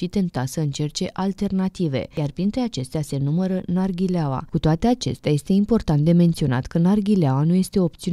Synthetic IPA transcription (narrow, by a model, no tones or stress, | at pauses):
it̪e̞mp̚t̪asəɨnt͡ʃe̞rt͡ʃe̞ʔalt̪e̞rnat̪ive̞̰jarpɾint̪ɾe̞at͡ʃe̞st̪ease̞numəɾənarɡʲileawa̰kut̪oat̪e̞at͡ʃe̞̰st̪eaje̞st̪e̞impo̞rt̪ant̪̚d̪eme̞nt̪sio̞na̰t̪kənarɡʲileawanuje̞st̪e̞op̚t̪siu